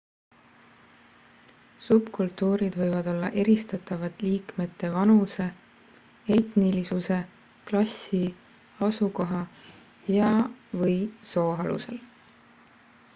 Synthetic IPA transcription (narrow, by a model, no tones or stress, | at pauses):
sub̥kult̪ːˑuːɾid̪vɤjvɑd̪o̞lːɑʔe̞ɾist̪ɑt̪ːˑɑvɑt̪ˑliːkme̞t̪ːˑe̞vɑnuse̞ | ejt̪nilisuse̞ | klɑsi | ɑsuko̞ɦɑ | jɑvɤjso̞ːɦɑlṵse̞l